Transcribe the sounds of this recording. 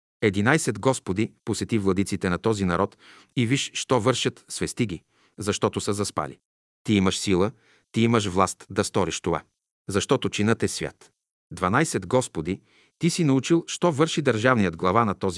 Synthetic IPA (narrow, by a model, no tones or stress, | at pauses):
ɛd̪inajsɛd̪ɡɔspod̪iposɛt̪ivlˠɐd̪it̪sit̪ɛnɐt̪ɔzinɐɾʔɔt̪ | iviʃʃt̪ɔvɤɾʃət̪svɛst̪iɡʲi | zɐʃt̪ɔt̪osəzɐspa̰lḭ | t̪iiməʃsilˠə | t̪iiməʃ̬vlˠast̪d̪ɐst̪ɔɾiʃt̪ova̰ | zɐʃt̪ɔt̪ot͡ʃinət̪ɛsvʲja̰t̪ | d̪vɐnajsɛd̪ɡɔspod̪i | t̪isinɐut͡ʃilˠʃt̪ɔvɤɾʃid̪ɐɾʒavnijəd̪ɡlˠɐvanɐt̪ɔzi